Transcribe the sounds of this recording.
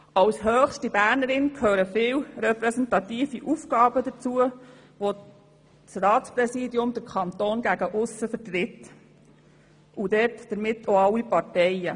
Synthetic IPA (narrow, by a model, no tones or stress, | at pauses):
ɑwshœːxʃtibæːɾnəɾɪnkʰhøːɾəfɪːwrɛpɾɛsɛntɑt̪iːfiʔufɡɑːbəd̪ət͡suə | ʋo | t͡srɑːtt͡sprɛsiːdiʊmd̪əɾkʰɑnt̪oːnɡæɡəʔʊsəfəɾtɾɪt̪ː | ʔud̪ɛtd̥əɾmɪtːoɑlːipɑtɛjə